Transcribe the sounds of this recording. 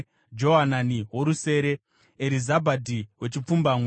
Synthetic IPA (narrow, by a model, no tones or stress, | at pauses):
d͡ʒo̞ɦananiɦwo̞ɾuse̞ːɾe̞ | eɾizabʱadʱiwe̞t͡ʃip͡fumbamwe